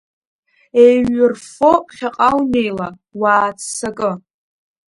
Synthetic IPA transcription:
ejɥɪrfoχʲaqʼawnejla | waːt͡sʰsakʼɨ

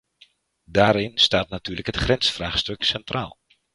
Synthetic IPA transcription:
daːɾɪnstaːtnatyːləkɦətχrɛnsfraːxstɵksɛntraːlˠ

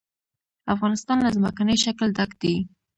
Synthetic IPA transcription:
afɣɑnɪst̪ɑnlazməkanəjʃakld̪akd̪i

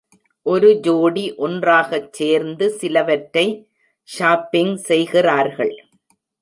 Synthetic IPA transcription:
ʔɔɾɯd͡ʒoːɽiʔɔndraːɣɐt͡ʃːeːɾnd̪ɯsɪlɐʋɐʈːɐɪ | ʃaːpːɪŋsɛjɣɪraːɾɣɐɭ

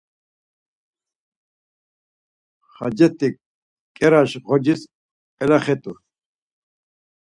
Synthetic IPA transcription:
χɑ̰d͡ʑet̪i | keɾaɕʁod͡ʑis | elaχet̪u

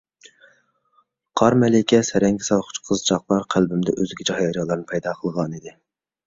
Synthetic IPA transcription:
qʰɑɾmɛlɪkʲʰɛsɛɾɛŋkʲɪsɑlˠχʊ̥t͡ʃqʰəzt͡ʃʰɑqlˠɑɾqʰælbɪmd̪ɛ̰ʔøzɪɡʲid͡ʒɑhjɑɾɑlˠɑɾnɨpʰɛjd̪ɑqʰəlˠʁɑnid̪ɪ

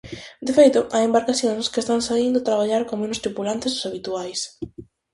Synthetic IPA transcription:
d̪efejt̪ʊʔajembaɾkaθjõŋskest̪aŋsaind̪ʊat̪ɾaβaʎaɾkoŋmenost̪ɾipulant̪ɪssaβit̪uajs

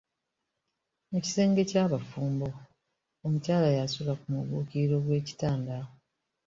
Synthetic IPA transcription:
meci̥se̞ːŋɡe̞caːβafuːmbo̞ | omucaːlajasulakumuβuːkiiɾo̞ɡwe̞ːci̥taːndao

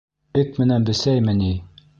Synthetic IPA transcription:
ɘkmɘ̆nænbɘ̆sæjmɘni

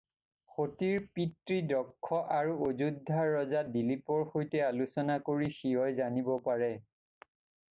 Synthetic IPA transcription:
xotiɹpitɹidɔkʰːɔʔaɹuozudʱːaɹːɔzadilipɔɹxojtɛalusɔnakoɹixiɦɔjzanibɔpaɹɛ

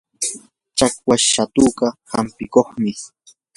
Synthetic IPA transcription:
t͡ʃakwaʃat̪uːkɑhampɪkoχmɪ

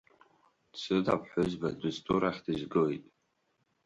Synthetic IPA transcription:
sʰɨda̰pʰħʷʊzbadɨztʼuɾaχʲdɨzɡɨwjtʼ

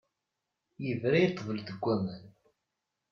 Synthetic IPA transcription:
jəvɾajət̪ˤːvəld̪əɡʷːæmən

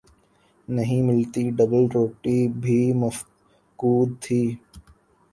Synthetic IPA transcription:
nɐɦĩmɪlt̪iɖɐbəlɾoːʈibʱiːmɐf | kuːd̪̚t̪ʰiː

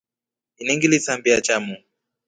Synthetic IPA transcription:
iniŋɡilit͡sambiat͡ʃamu

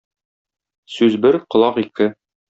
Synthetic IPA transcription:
sʉzbɘɾqŏlˠɑqikɘ

